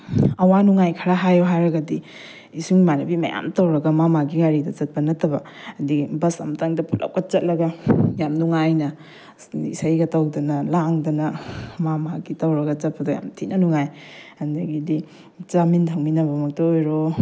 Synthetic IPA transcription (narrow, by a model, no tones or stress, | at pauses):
ɐwanuŋajkʰɐɾaɦajoɦaɾɐɡɐdi | isuŋmanibimɐ̰ja̰mtawɾɐɡɐmamaɡiɡaɾidɐt͡ʃɐt̚pɐnɐtɐbɐ | ɐdibɐsɐ̰mtaŋdɐpʰulʔa̰wkɐt͡ʃɐt̚lɐɡɐjamnuŋajnɐ | ḭsajɡɐtawdɐnɐlaŋdɐnɐmamaɡitawɾɐɡɐt͡ʃɐt̚pɐdɐja̰mtʰinɐnuŋajhɐndɐɡidi | t͡ʃamintʰɐŋminɐbɐmɐk̚tɐojɾo